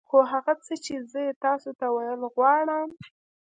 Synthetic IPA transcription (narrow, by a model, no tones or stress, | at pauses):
xoɦaɣat͡sət͡ʃezəjet̪ɑsot̪awajəlɣwɑɽəm